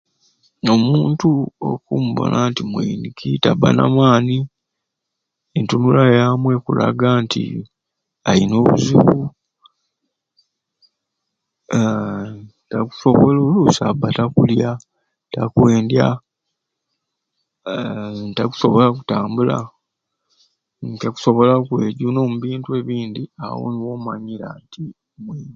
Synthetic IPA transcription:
o̞muːntuo̰kumuβo̰nʔantimwḛinikʰitaba̰na̰mwaːni | entunulajamwe̞kula̰ɡaːntʰḭ | alino̞ːβṵziβu | taku̥so̞βololusabatakulja | takwe̞ːndja | ntaku̥so̞βo̞laku̥taːmbula̰ | nkaku̥so̞βo̞lakwe̞ːɟuno̞ːmuβiːntwe̞ːβiːndia̰wo̰niwoːmaɲiɾanti | mweːn

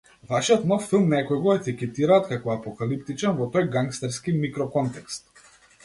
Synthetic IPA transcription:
vaʃiɔt̪nɔffilˠmnɛkɔjɡɔet̪ikʲɛt̪iɾaːt̪kakɔapɔkalip̚t̪it͡ʃɛnvɔt̪ɔjɡaŋkst̪ɛɾskimikɾɔkɔnt̪ɛkst̪

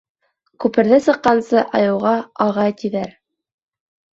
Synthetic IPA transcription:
kʉpɘ̆ɾðæsɤ̆qːɑnsɤʔɑjɤ̆wʁɑɑʁɑjt̪iðæɾ

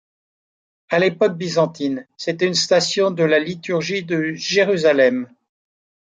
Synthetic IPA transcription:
alepɔk̚bizɑ̃t̪inset̪ɛynst̪asjɔ̃d̪əlalit̪yʁʒid̪əʒeʁyzalɛm

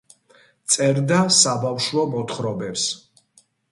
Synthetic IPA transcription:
t̪sʼɛɾd̪asabafʃwɔmɔt̪χɾɔbɛps

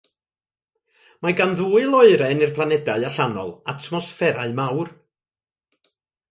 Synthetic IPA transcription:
maɡanðuːɨlˠɔɨɾɛnirpʰlˠanɛdaɨaɬanɔ̰lˠatʰmɔsfɛɾaɨmawr

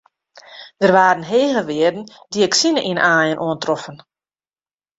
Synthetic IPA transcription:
d̥ərʋaːɾən̩ɦeːɣəʋɪədn̩diɛksinəʔinʔaːjənʔuəntrɔfən

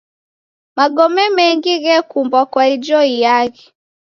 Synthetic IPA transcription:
maɡɔmɛmɛŋɡiɣɛkumbwakwaid͡ʒɔijaɣɛ

